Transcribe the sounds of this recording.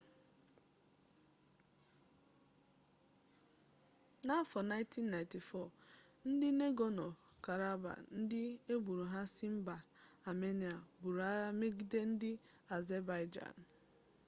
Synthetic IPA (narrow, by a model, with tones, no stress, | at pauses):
na˦fɔ˨na˦ɪ̃˦nti˦n̩ːa˨ɪ̃˨nti˨fɔ˦˨ | n̩˦dɪ˦ne˦ɡɔ˨nɔ˨ka˨ɾa˦ba̰˨n̩˦dɪ˦e˦bu˨ɾu˨ɦa˦sɪ˦m̩˦ba˨ | a˨me˦ni˨a˨bu˨ɾa˦me˦ɡi˦de˦n̩˦dɪ˦ | a˨ze˦ba˦ɪ˦d͡ʒa̰˨n˨